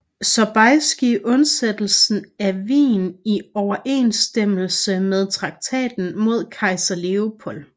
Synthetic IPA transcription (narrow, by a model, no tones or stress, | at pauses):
sɒ̽b̥ɑɪsɡ̥iʔɔ̽nsed̥l̩sn̩æʋḭːniɒʊɐʔe̝̰ːnsd̥em̰l̩səmeð̞ˠt͡sʰʁɑ̈ɡ̥̚t͡sʰɛ̰ːd̥n̩mo̝ð̞̰ˠkʰɑ̈ɪsɐle̝o̝pʰɔ̽l